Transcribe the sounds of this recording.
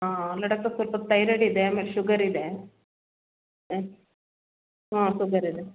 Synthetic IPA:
aːlɐɽɐkt̪ːɐsɐlpɐt̪ɐjɾɐɽid̪eaːmeːleʃuɡɐɾid̪e | ɦãːʃuɡɐɾid̪e

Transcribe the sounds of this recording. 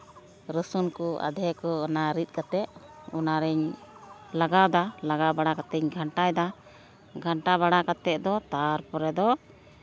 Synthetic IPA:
ɾəsunkua̰d̪ɛkɔːnaɾit̪̚kat̪ɛʔ̚ṵnaɾɛɲ | laɡawd̪alaɡabaɽakat̪ɛɲɡʱaɳʈajd̪a | ɡʱaɳʈaβaɽakat̪ɛʔ̪̚d̪ɔt̪aɾpɔɾɛd̪ɔ

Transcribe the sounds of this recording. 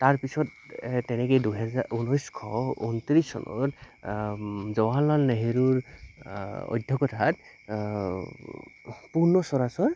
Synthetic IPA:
taɹpisɔtː | ɛnɛkejduɦɛzaɹʔunɔjskʰɔunt̪ɹisɔ̰nɔ̰t | zɔwalnalneɦeɹuɹ | ɔ̰jdʱɔkɔtʰat | puɹnɔsɔɹasɔɹ

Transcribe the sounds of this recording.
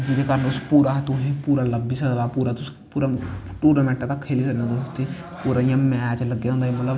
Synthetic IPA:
d͡ʒɪd̪eːkəɾənʊspuːɾat̪ʊɦẽːpuːɾaːləbːiːsəkd̪aːpuːɾaːt̪ʊs | puːɾaʈuːɾnaːmɛ̃ːɳʈat̪akʰːeːliːsəɾiːnãot̪ʰːeː | puːɾaːijãːmɛːt͡ʃləɡːeaɦõnd̪ːemət̪ləb

